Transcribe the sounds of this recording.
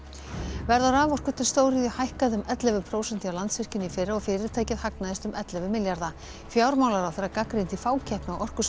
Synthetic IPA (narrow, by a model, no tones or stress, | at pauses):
vɛɾðawɾaːvɔr̥kʏ̥t̪ʰːɪl̥st̪oːwɾiðʏhajhkaðʏmɛt̪lɛvʏmpʰɾoːwsɛnt̪iawlant̪svɪr̥cɪnːifɪɾaɔɣfɪːɾɪɾ̥t̪ʰaːjcɪðhaknaðɪst̪ʏmɛt̪lɛvʏmɪljaɾða | fjaːwɾmaːwlaɾawθejɾːakakɾejnt̪ifaːwcʰɛhpnɪaʔɔr̥kʏ